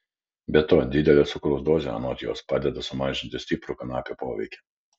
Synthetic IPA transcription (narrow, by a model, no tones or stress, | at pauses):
bʲɛt̪ːoːd̪ʲɪd̪ʲɛlʲeːt̪sʊkɾoʊsd̪oːzʲḛɐ̰noːt̪ʲɪjo̰ːspɑːd̪ʲɛd̪ɐsʊmɑːʒʲɪnʲt̪ʲɪsʲt̪ʲɪːpɾʊkɐnɑːpʲopoːʋʲɛ̰ɪkʲɛ̥